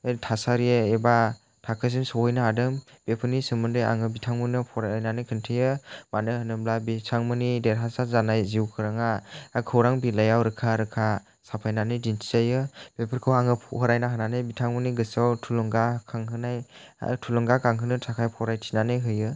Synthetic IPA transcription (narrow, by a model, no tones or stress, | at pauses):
etʰasaɾijeeba | tʰakʰɯs̬insɔwɔjnaadɯm | b̥epʰɯnisɯmɯndɯja̰ŋɯbitʰaŋmɯnɯpʰɔɾajnanɯjkʰɯntʰɯjɯmanɯhɯnɯmlabitʰaŋmɯnideɾɦasazanajziwkʰɯɾaŋaakʰɯwɾaŋbilajawɾɯkʰaɾɯkʰa | sapʰajnanɯjdintʰi̥zajɯb̥epʰɯɾkʰɯwaŋɯpʰɔɦɯɾajnaɦɯnanɯjbitʰaŋmɯniɡɯsawtʰulɔŋɡakʰaŋɦɯnaj̰tʰulɔŋɡakaŋɦɯnɯtʰakʰajpʰɔwɾajtʰi̥nanɯjɦɯjɯ